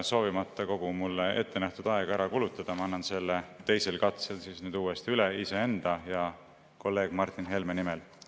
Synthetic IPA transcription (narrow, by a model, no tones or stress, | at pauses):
so̞ːvimɑt̪ːˑɑko̞ɡ̥umulːee̞̰t̪ːe̞næht̪ud̪̥ɑe̞ɡ̥ɑæɾɑkulut̪ːˑɑd̪̥ɑmɑɑnːɑnse̞lːet̪e̞jse̞lkɑt̪se̞lsiːsnyːd̪uːest̪iyleisee̞nd̪̥ɑjɑ | ko̞lːe̞ːɡ̥mɑrt̪ˑːinɦe̞lmenimel